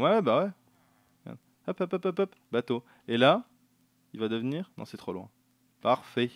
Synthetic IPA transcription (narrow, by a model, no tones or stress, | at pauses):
wɛwɛbawɛ | ɛ̰̃ | œpəpəpəpœp | bat̪o | ela | ilvad̪əvniːʁnɔ̰̃sɛt̪χo̰lwɛ̰̃ | paʁfɛ